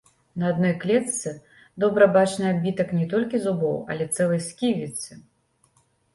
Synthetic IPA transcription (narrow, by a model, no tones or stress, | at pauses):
nɐad̪nɔjklʲɛt̪sɨ | d̪ɔbɾɐbat͡ʂnɨabʲit̪ɐknʲɛt̪ɔlʲkʲizubɔwɐ̰lʲɛt̪sɛlˠɐjskʲivʲit̪sɨ